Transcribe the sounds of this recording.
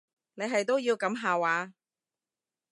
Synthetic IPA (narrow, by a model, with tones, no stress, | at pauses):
ne˨˧jɦɐ˨jt̪̬o˥wjiː˧wkɐ˨˥mɦaː˨waː˨˧